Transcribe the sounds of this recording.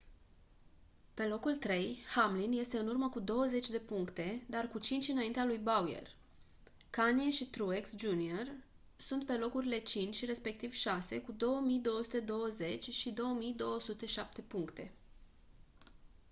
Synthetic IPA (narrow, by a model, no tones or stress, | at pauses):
pe̞lo̞kult̪ɾe̞jhamlinje̞st̪e̞ɨnurməkud̪o̞wəze̞t͡ʃʲd̪e̞puŋkt̪e̞d̪arkut͡ʃint͡ʃɨnaint̪ealujbauje̞̰r | kanieʃit̪ɾueksd͡ʒunior | sunt̪̚pe̞lo̞kuɾile̞t͡ʃint͡ʃʲre̞spe̞k̚t̪ivʃase̞kud̪o̞wəmijd̪o̞wosut̪e̞d̪o̞wəze̞t͡ʃʲʃid̪o̞wəmijd̪o̞wəsut̪e̞ʃap̚t̪e̞puŋkt̪e̞